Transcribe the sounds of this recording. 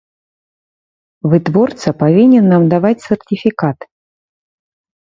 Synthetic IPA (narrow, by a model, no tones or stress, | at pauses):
vɨt̪vɔrt̪sɐpavʲinʲɛnːamd̪avat͡sʲsʲɛrtʲifʲikat̪